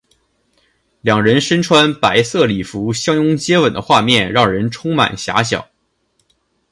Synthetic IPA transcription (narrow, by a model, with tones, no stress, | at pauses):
ljɑ˨˩ŋɻə˧˥nʂə˥nʈ͡ʂʰwa˥npa˧˥ɪsɤ˥˩li˨˩fu˧˥ɕjɑ˥ŋʊ˥ŋt͡ɕjɛ˥wə˨˩nd̪ə̰˦xwa˥˧mjɛ˥˩nɻɑ˥˩ŋɻə˧˥nʈ͡ʂʰʊ˥ŋma̰˨˩nɕja̰˧˥ɕjɑ̰˨˩˦ʊ